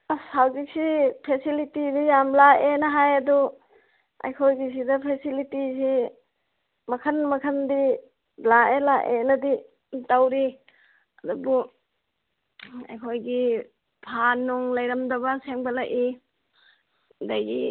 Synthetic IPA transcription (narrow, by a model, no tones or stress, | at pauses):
sawzik̚sipʰesilitidijamlaʔenaɦajɐdu | a̰jkʰojɡis̬idɐpʰesilitisi | mɐkʰɐnmɐkʰɐndi | laelaʔenɐdi | tawɾi | adubu | a̰jkʰojɡi | pʰanːuŋlajɾamdabaseŋbalaʔʔi | dajɡi